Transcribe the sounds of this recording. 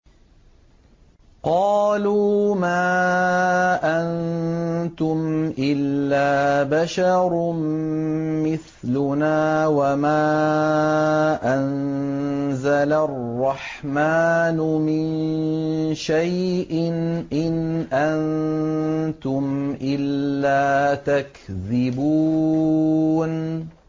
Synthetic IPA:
qɑːluːmaː | ʔan | t̪ʊmʔɪlːaːbaʃɑɾˤm | mɪθ | lʊnaːwamaː | ʔan | zalarːɑħmaːnʊmɪn | ʃajʔɪnʔɪnʔan | t̪ʊmʔɪlːaːt̪akðɪbuː | n

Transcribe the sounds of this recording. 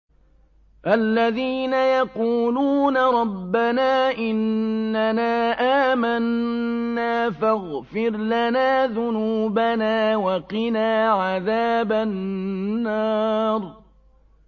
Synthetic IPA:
ʔalːaðiːnajɑquːluːnaɾˤɑbːanaːʔɪnːanaːʔaːmanː | aːfaɣfɪɾlanaːðʊnuːbanaːwɑqɪnaːʕaðaːbaː | ɑːɾˤ

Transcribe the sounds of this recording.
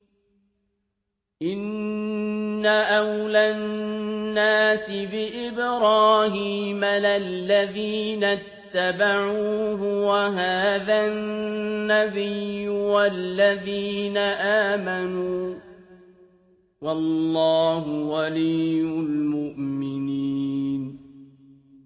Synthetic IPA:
ʔɪnː | aʔawlaː | aːsɪbɪʔɪbɾaːhiːmalalːaðiːnat̪ːabaʕuːɦʊwaɦaːðanːabɪjwalːaðiːnaʔaːmanuː | wɑlːɑːɦʊwalɪjːʊlmʊʔmɪnin

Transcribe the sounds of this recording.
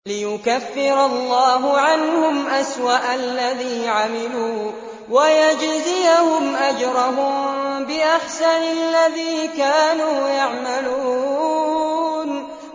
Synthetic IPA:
lɪjʊkafːɪɾɑlˤːɑːɦʊʕanhʊmʔaswaʔalːaðiːʕamɪluː | wajad͡ʒzɪjahʊmʔad͡ʒɾˤɑɦʊmbɪʔaħsanalːaðiːkaːnuːjaʕmaluː | n

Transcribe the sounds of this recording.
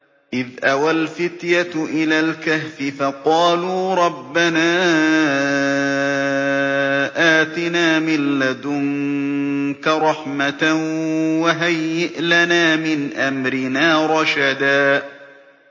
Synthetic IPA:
ʔɪðʔawalfɪt̪jat̪ʔɪlaːlkahfɪfɑqɑːluːɾˤɑbːanaː | ʔaːt̪ɪnaːmɪlːad̪ʊŋ | kaɾˤɑħmat̪awaɦajːɪʔlanaːmɪnʔamɾɪnaːɾˤɑʃad̪aː

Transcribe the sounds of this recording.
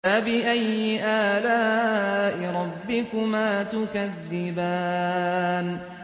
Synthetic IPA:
abɪʔajːɪʔaːlaːʔɪɾˤɑbːɪkʊmaːt̪ʊkaðːɪbaː | n

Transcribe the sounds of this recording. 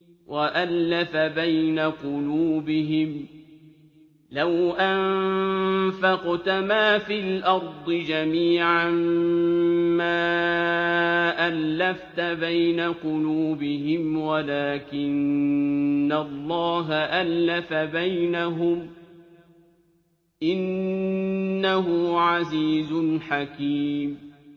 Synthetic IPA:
wʔaʔalːafabajnaqʊluːbɪɦɪm | lawʔamm | fɑqt̪amaːfilʔɑɾˤd̪ˤɨd͡ʒamiːʕam | maː | ʔalːaft̪abajnaqʊluːbɪɦɪmwalaːkɪnː | alˤːɑːɦaʔalːafabajnaɦʊm | ʔɪnː | aɦʊʕaziːzʊnħakiːm

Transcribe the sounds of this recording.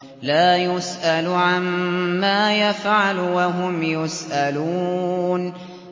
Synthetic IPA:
laːjʊsʔalʊʕamːaːjafʕalʊwaɦʊmjʊsʔaluːn

